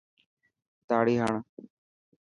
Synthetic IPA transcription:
t̪aːɽiːɦəɳ

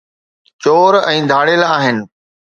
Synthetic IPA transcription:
t͡ɕoːɾɛ̃ːd̪ʱaːɽelaːɦɪnɪ̆

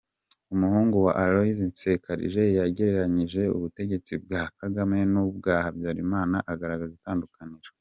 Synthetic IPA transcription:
umuhuːŋɡuwa̰ʔaɾoizinse̞kaɾḭʒe̞jaɟe̞ɾe̞ɾaɲiʒe̞ṵβute̞ɟe̞t͡sibɡaːkaɡame̞nub̚ɡaːhabɟaːɾimaːnaʔaɡaɾaɡazitaːndukaniɾa

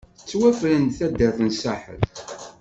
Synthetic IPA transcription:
t͡sːwæflənd̪θæd̪ːəɾθənsaħə̰ð

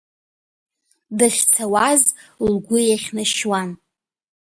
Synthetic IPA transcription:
dɨχʲt͡sʰawazlɡʷʊjaχʲnaʃwan

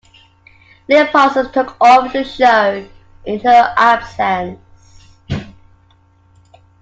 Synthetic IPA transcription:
ðiəpʰɔsəlˠtʰʊkʰɔvðəʃəʊ | ʔɪ̃nəʔab̥sə̃ns

